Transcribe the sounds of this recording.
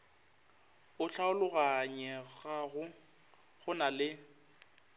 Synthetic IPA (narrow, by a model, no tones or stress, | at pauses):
ʊɬaʊlʊɣaɲɛɣaɣʊ | ɣʊnalɪ